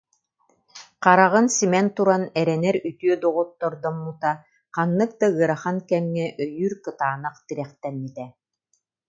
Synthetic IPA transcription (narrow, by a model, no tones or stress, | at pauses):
qaɾaʁɯnsimɛnt̪uɾanɛɾɛnɛɾyt̪yœd̪uʁut̪ːɔɾd̪ɔmːut̪a | qanːɯk̚d̪aɯɐɾaχankɛmːɛʔœjyɾkɯt̪aːnaqt̪iɾɛχt̪ɛmːit̪ɛ